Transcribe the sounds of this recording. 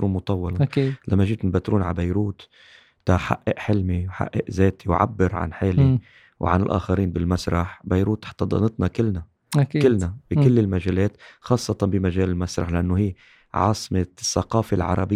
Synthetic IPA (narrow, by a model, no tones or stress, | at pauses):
ɾumʊt̪ˤɑwːɑlɑilʔamːaʒiːt̪nbat̪ɾuːnʕa̰bajɾuːt̪ | t̪aħaʔːɪʔħɪlmiwħa̰ʔːeʔzeːt̪ʰiwʕa̰bːɪɾʕa̰nħeːli | wʕa̰nɪlʔa̰ːxaɾiːnbɪlmasɾˤɑħbajɾuːt̪ːħt̪ˤːɑd̪ˤɑ̰nɨt̪nɑkɪlːna | akikɪlːnabikɪlːɪlmaʒeːleːt̪xɑːsˤːɑt̪ˤɑnbɪmaʒeːlɪlmasɾˤɑ̰ħlaʔanːʊhiː | ʕɑ̰ːsˤmɪsːɑqɑːfalʕɑ̰ɾˤɑ̰bɪ